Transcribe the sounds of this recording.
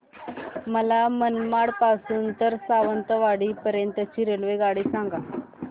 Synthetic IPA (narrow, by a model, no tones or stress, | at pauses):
məlamənmaɽpasuːnt̪əɾsaʋənt̪əʋaɽiːpəɾjənt̪ət͡ɕiːɾelʋeɡaɽisãŋɡa